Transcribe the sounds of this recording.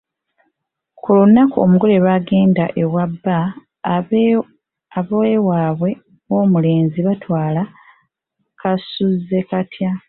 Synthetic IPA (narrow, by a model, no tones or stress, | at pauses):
kulunːakuo̰muɡo̞le̞βaːɡe̞ːndaʔe̞wabːa | aβoewaːβwe̞ | o̞ːmule̞ːnziβatwaːla | kasuze̞katja